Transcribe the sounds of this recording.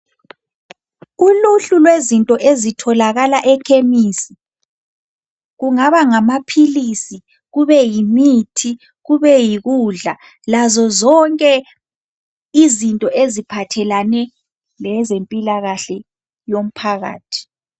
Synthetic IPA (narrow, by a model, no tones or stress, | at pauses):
uluɬulwezintʼɔʔezitʰɔlaɣalaʔɛkʰemisi | ɣuŋaβaŋamapʰilisi | ɣuβɛjimitʰi | ɣuβɛjiɣuɮa | lazɔzɔŋkʼɛ | izintʼɔʔezipʰatʰɛlanɛ | lɛzempʼilaɣaɬɛ | jom̩pʰaɣa̰ːtʰi̥